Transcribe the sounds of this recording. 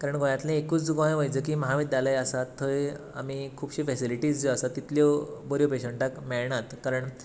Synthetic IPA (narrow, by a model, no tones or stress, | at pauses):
kaɾəɳɡʱojãt̪lẽekuːt͡sd͡zuɡãj̃ʋəjd͡zəkiːməɦaʋid̪jaləjasat̪ʰːəj | amikʰuːbɕiːfɛsiliʈiːd͡zd͡zeasat̪ːit̪ljobəɾjopeɕəɳʈakmeɭɳat̪kaɾəɳ